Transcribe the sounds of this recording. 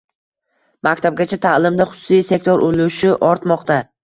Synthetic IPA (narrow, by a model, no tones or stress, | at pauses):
makʲt̪ʰab̚ɡʲat͡ʃʰat̪ʰalˠɪmd̪aχʊ̥sʊ̥sijse̞k̚ʲt̪ʰoɾʔoluʃɪʔɒɾt̪mɒqt̪a